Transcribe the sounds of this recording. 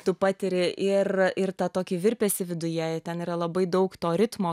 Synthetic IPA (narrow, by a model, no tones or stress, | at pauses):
t̪ʊpɑːt̪ʲɪɾʲɪʔɪrɪrt̪ɑt̪oːkʲiːʋʲɪɾʲpʲɛsʲɪʋʲɪd̪ʊjɛɛt̪ʲɛniːɾɐlˠɐbɐɪd̪ɐʊkt̪oːɾʲɪt̪moː